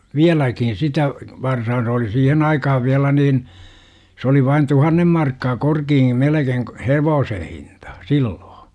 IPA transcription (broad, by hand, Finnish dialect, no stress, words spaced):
ʋiælækin sitæ ʋɑrsɑː se oli siːhen ɑikɑhɑʋ ʋiælæ niːn s oli ʋɑin tuhɑnːem mɑrkːɑː korkiː melekeiŋ k heʋoːsen̞ hintɑ silːoː